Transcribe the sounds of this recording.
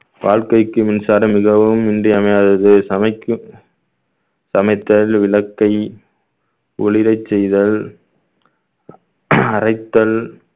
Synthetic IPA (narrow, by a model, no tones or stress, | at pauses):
ʋaːɻkɐɪkːɯmɪnsaːɾɐmɪɣɐʋɯmɪndrɪɐmɐjaːðɐðɯsɐmɐɪkːɯ | sɐmɐɪt̪ːɐlʋɪlɐkːɐɪ | ʊɻɪɾɐɪt͡ʃːɛjðɐl | ɐɾɐɪt̪ːɐl